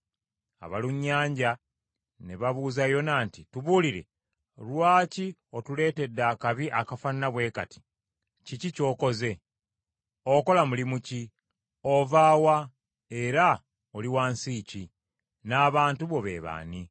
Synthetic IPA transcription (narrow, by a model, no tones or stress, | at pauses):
a̰βaluɲːaːɲɟa | neβaβuːzajo̞naːntituβuːliɾe̞̰ | lwaːcio̞tule̞ːte̞dːaːkaβiʔakafaniːaβwe̞kati̥ | cicico̞ːko̞ze̞ | oko̞lamulimuci | o̞vaːwa | e̞ɾa | oliwaːnsiːci | naːβaːntuβo̞βḛːβa̰ːni